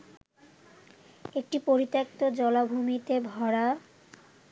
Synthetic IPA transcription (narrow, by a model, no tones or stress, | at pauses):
ek̚ʈipoɾit̪ːek̚t̪od͡ʑɔlabʱumit̪ebʱɔɽa